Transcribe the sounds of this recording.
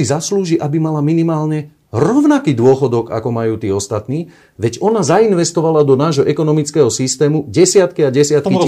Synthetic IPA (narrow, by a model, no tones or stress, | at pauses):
izasluːʒiʔabimalaminimaːlɲɛ | ɾɔʊnakiːd̪ʊɔxɔd̪ɔka̰kɔmajuːt̪iːɔst̪at̪niː | ʋɛɟɔnazainʋɛst̪ɔʋalad̪ɔnaːʒɦɔʔɛkɔnɔmit͡skɛːɦɔsist̪ɛːmuɟɛsɪat̪kiaɟɛsɪat̪ki